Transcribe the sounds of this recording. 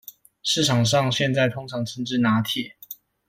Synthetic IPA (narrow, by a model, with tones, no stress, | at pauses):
ʂɻ̩˥˩ʈ͡ʂʰɑ˨˩ŋʂ̬ɑ˥˨ŋɕjɛ˥˧nt͡sa˥˩ɪt̪ʰʊ˥ŋʈ͡ʂʰɑ˧˥ŋʈ͡ʂʰə˧˥ŋʈ͡ʂɻ̩˥˧na˧˥t̪ʰjɛ˥˩˨